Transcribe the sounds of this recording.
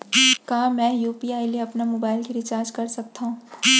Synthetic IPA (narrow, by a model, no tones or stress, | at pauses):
kaːmɛ̃ːjuːpiːaːileɐpnamoːbaːɪlkiɾɪt͡ʃaːɾd͡ʒkɐɾsɐk̚t̪aɦũː